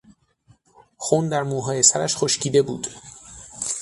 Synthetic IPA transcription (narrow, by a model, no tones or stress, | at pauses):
xund̪æɾmuːɦɒːjesæɾæʃxoʃcʰiːd̪e̞bṵːd̪̥